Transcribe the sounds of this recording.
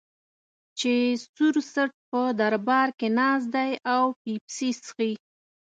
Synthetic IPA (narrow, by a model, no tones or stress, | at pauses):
t͡ʃesuɾsəʈ̚pəd̪aɾbɑɾkenɑz̬d̪ajawpipsisxi